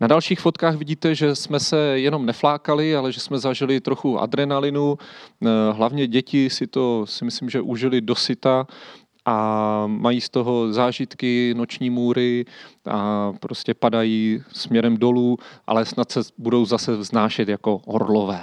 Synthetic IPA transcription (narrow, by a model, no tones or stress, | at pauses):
nadalʃiːxfot̪kaːxvɪɟiːt̪ɛʒɛsmɛsɛjɛno̞mnɛflaːkalɪalɛʒɛsmɛzaʒɪlɪt̪ɾoxuʔa̰dɾɛnalɪnu | ɦlavɲɛɟɛcɪsɪt̪o̞sɪmɪslɪmʒɛʔuʒɪlɪdo̞sɪt̪a | ʔamajiːst̪o̞ɦo̞zaːʒɪt̪kɪno̞t͡ʃɲiːmuːɾɪʔa̰pɾoscɛpadajiːsmɲɛɾɛmdo̞luːʔa̰lɛsnat̪sɛbudo̞wzasɛvznaːʃɛt̪jako̞ɦo̰ɾlovɛː